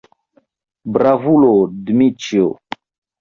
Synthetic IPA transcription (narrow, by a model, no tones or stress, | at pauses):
bɾavulodmit͡ʃjo